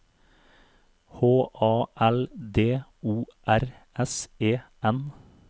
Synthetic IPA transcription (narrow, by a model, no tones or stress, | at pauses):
hoːʔɑːʔɛld̪eːuːʔæɾ | ɛseːʔɛn